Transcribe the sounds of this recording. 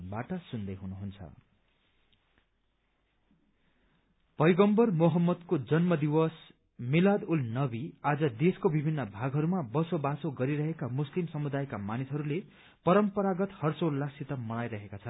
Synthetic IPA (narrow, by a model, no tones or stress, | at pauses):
baʈʌsund̪ʌjɦunuɦunt͡sʰʌ̰ | pʌjɡʌmbʌrmoɦʌmːʌd̪kod͡zʌnmʌd̪iwʌs | milad̪ulnʌbiad͡zʌd̪eskobibʱinːʌbʱaɡɦʌɾumabʌsobasoɡʌɾiɾʌɦekamuslimsʌmud̪ajkamanisɦʌɾule | pʌɾʌmpʌɾaɡʌt̪hʌrt͡solːasit̪ʌmʌɽajɾʌɦekat͡sʰʌn